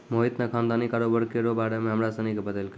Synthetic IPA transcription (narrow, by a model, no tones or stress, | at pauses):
moit̪nəkʰãnd̪anikaɾobəɾkeɾobaɾemẽɦəmɾasənikebəd̪əlk